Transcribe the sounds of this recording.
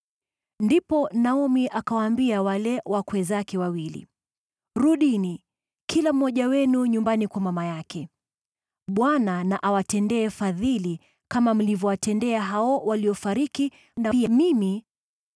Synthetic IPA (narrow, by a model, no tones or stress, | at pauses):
ndipɔnaɔmiʔakawaːmbiawalɛwakwɛzakɛwawilḭ | ɾuɗini | kʰilam̩ːɔʄawɛnuɲumbanikwamamajakɛ | ɓwananaʔawatɛndɛːfaðili | kamam̩livɔwatʰɛndɛaɦaɔwaliɔfaɾiki | naimimi